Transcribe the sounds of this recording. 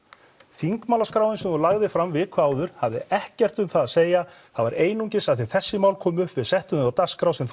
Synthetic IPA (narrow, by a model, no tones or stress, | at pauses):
θiŋkmaːlaskɾaːwɪnsɛmɔlaɣðɪfɾamvɪkʰvaːwðʏɾ̥havðɪɛhcɛr̥t̪ʏmθaðaseːja | θavaɾeːjnuɲcɪsaθɪθɛsːɪmawlkʰɔːmʏhpvɪðsɛht̪ʏnawt̪askɾawsɛm